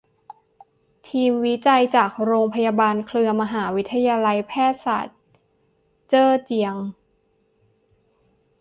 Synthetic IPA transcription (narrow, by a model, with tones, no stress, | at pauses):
t̪ʰiː˧mwi˦˥t͡ɕa˧jt͡ɕaː˨˩k̚ɾoː˧ŋpʰa˧ja˧baː˧nkʰlɯ˧ɐma˧ɦaː˩˦wi˦˥t̪ʰːa˧jaː˧la˧jpʰɛː˥˩t̪̚sa̰ː˨˩t̪̚ | t͡ɕɤː˥˩t͡ɕi˧əŋ